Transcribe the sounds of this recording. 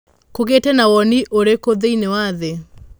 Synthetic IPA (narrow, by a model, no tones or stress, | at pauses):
koɣetɛnawɔniʔoɾekoðeinewaðe